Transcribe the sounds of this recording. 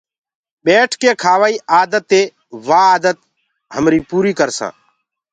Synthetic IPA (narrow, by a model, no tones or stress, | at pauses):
ɓeːʈʰkeːkʰaːʋaːiːʔaːd̪ət̪ːeː | ʋaːaːd̪ət̪ | ɦəmɾiːpuːɾiːkəɾsã̰ː